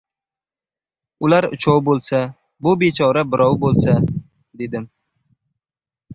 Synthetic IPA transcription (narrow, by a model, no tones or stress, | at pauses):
ʊlaɾʊ̰t͡ʃʰɒwbolˠsa | bʊbet͡ʃʰɒɾabɪɾɒwbolˠsa | d̪e̞d̪ɪm